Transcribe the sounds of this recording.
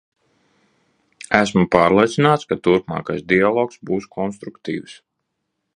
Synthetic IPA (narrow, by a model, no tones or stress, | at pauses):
æsmupɑːɾlˠiɛt̪sinaːt̪skat̪uɾpmɑ̰ːkajsd̪ialˠɔːksbuːskʰɔnst̪ɾukt̪ḭːws